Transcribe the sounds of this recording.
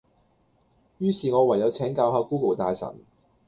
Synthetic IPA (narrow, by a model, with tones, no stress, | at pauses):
jyː˥siː˨ŋɔː˨˧wɐ˨˩jɐ˨˧wt͡sʰɛː˨˥ŋkaː˧wɦaː˧kuː˥kɐ˨˩wt̪aː˧jsɐ̰˨˩n